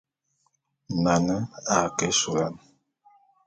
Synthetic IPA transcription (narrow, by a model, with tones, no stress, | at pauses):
na˨nə˦a˨kɛ˦su˨la˦n˨